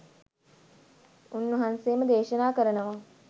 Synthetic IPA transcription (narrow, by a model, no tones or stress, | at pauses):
unːəɦanseːməd̪eːʃənaːkəɾənəʋa